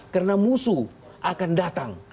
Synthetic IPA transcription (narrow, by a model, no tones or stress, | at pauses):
kərnamusu | ʔakandat̪aŋ